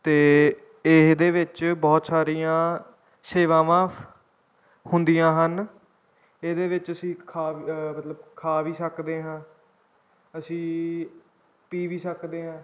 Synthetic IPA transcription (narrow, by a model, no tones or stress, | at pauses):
t̪eː | ɪɦd̪eːʋɪt͡ʃbɔːt̪saːɾijãː | seːʋãːʋãː | hʊnd̪ijãːɦən | ed̪eːʋɪt͡ʃəsĩːkʰaːmət̪ləb̚kʰaːʋiːsəkd̪eːɦãː | əsĩː | piːʋiːsəkd̪eːɦãː